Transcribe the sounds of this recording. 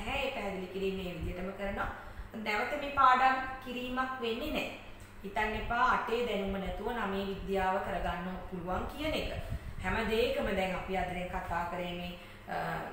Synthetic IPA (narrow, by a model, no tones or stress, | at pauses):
ɦɛeːkəɦɛd̪ilikiɾiːmeːʋid̪ijəʈəməkəɾənoa | nɛʋət̪əmeːpaːd̪aŋkiɾiːmakʋenːenɛ̰ | it̪anːepaːʈeːd̪ɛnumənɛt̪uʋənameːʋid̪jaːʋəkəɾəɡanːopuluʋaŋkijənekəhɛməd̪eːkəməd̪ɛŋapiad̪əɾeŋkat̪aːkəɾeːmeː